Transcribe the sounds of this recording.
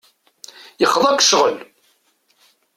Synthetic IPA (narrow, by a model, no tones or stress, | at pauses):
jəχəðˤækʷːʃʁəl